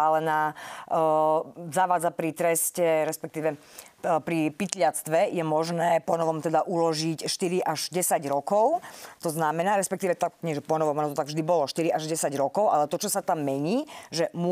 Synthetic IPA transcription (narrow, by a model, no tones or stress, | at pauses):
alɛnaː | zaʋaːd͡zapɾit̪ɾɛscɛɾɛspɛk̚t̪iːʋɛ | pɾipit̪lɪat͡st̪ʋɛjɛmɔʒnɛːpɔnɔʋɔmt̪ɛd̪aʔulɔʒicʃt̪iɾiʔaʒɟɛsaɟɾɔkɔʊt̪ɔznamɛnaːɾɛspɛkt̪iːʋɛt̪akɲɪɛʒɛpɔnɔʋɔmanɔt̪ɔt̪aɡvʒd̪ibɔlɔʃt̪iɾiʔaʒɟɛsaɟɾɔkɔʊʔalɛt̪ɔt͡ʃɔsat̪amːɛɲiːʒɛmʊ